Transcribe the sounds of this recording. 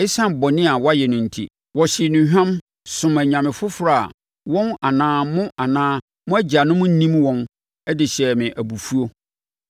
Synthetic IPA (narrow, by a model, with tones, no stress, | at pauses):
ɪ˦sã˦mbɔ˨nɪ̃˦a˨wɔ˦a˦jɛ˨nʊ̃˨n̩˨tʰḭ˦ | wɔ˨ɕɪ˨nʊ̃˨˦ɦᶣã˦m | sʊ̃˨mæ˨ɲã˨mɪ̃˨fʊ˦fɾa˨a̰˨ | wɔ̃˦na˨nãː˨˦mʊ̃˦ʔa˨nãː˦ | mʊ̃˦æ˦d͡ʑa˨nʊ̃˦mʊ̃˦n̩˦nĩ˦mwɔ̃˦n | ɛ˦dɪ˨ɕɛ˨mɪ̃˨ʔæ˨bu˨fu˦o˦